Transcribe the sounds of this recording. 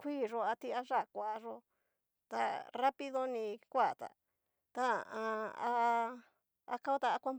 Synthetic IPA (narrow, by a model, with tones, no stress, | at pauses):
kʷiː˦ʐo˧a˧t̪i˦a˧ʐa˦˨kʷa˨ʔa˨ʐo˧˦ | t̪a˧ra˦pi˦ðo˦nĩ˧kʷa˦˨t̪a̰˨ | t̪a˦˨ã˧a˧ | a̰˧ka˦o˦t̪a˧a˧kʷa˦m